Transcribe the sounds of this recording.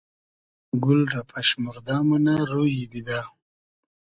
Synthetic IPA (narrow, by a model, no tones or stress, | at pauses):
ɡʊlɾapʰaʃmuɾd̪ɑmunaɾojid̪id̪a